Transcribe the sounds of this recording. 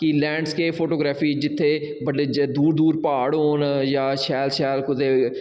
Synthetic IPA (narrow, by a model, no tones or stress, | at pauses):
kɪlɛ̃ːɳɖskeːpʰoːʈoːɡɾaːpʰiːd͡ʒɪt̪ʰːeː | bəɖed̪uːɾd̪uːɾpaːɽɦoːnjaːʃɛːlʃɛːlkʊd̪eː